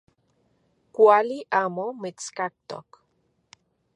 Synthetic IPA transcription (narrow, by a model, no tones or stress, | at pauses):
kʷaliʔaːmomit͡skak̚t̪o̰k